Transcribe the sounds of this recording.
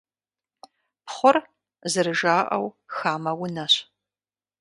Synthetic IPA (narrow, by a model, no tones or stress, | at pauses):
pχʷʊr | zɨɾɨʒaːʔɐ̰wxaːmɐwʊnɐɕ